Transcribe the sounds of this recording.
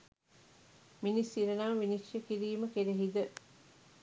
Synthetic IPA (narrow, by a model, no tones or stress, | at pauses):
minisiɾɐnaːʋiniʃjekiɾiːməkeɾeɦid̪ə